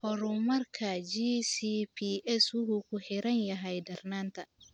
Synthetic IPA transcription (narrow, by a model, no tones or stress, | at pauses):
hɔɾumɐrkʰɐd͡ʒisipʰiʔɛsʊɦʊkʰʊħɪɾɐnjɐɦɛjdɐrnaːnt̪ʰɐ